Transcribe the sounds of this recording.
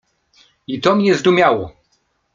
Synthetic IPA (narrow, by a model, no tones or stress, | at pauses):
it̪ɔmɲɛzd̪umʲjawɔ